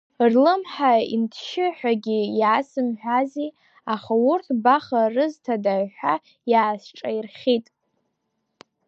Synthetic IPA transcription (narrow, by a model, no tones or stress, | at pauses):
rlɨmħaḭntʰʃɪħʷᶣaɡʲijaːsɨmħʷᶣazi | aχaurtʰbaχarɨztʰadaʕħʷᶣa | jaːsʈ͡ʂʼairχʲitʼ